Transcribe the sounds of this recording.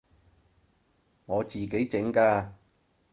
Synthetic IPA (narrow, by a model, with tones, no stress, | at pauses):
ŋɔː˨˧t͡siː˨ke˨˥jt͡sɪ˨˥ŋkaː˧